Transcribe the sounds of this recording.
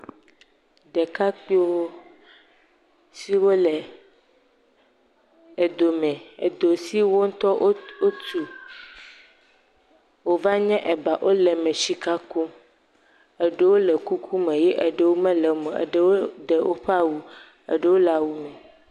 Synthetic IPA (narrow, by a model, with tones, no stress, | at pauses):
ɖɛ˨ka˦k͡pi˦wo˦ | si˦wo˦lɛ˨ | e˨d̪o˨mɛ̃˨ḛ˨d̪o˨si˦wo˦ŋ̩˦t̪ɔ˦o˦o˦tu˨ | wo˨va˦ɲɛ̃˦ʔɛ˨ba˨ʔo˦lɛ˨mɛ̃˨ʃi˦ka˦ku˦m | ɛ˨ɖe˦wo˦lɛ˨ku˦kʰu˦mɛ̃˨jɛ˦ʔe˨ɖe˦wo˦mɛ̃˦lɛ˨mɛ̃˨ḛ˨ɖe˦wo˦ɖɛ˨wʔo˦ɸa˦wu˦ | ḛ˨ɖe˦wo˦la˦wu˦mɛ̃˨